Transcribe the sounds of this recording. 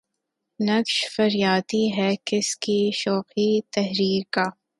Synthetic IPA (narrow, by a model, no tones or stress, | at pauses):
nɐkʃfɐɾjaːt̪iɦɛkɪskiʃɔːqit̪ɛɦɾiːɾkaː